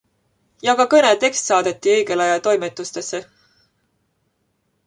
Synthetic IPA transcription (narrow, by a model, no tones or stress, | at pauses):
jɑɡɑkɤne̞t̪e̞kst̪sɑːd̪̥e̞t̪ːˑiɤ̞jɡ̥e̞lɑjɑlt̪o̞jmet̪ːˑust̪e̞sːe